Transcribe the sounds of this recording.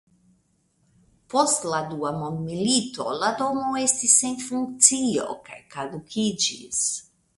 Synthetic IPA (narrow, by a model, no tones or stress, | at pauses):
post̪lad̪uamond̪milit̪o̰lad̪omoest̪isːenfuŋk̚t̪sio̰ka̰jkalukʰid͡ʒḭs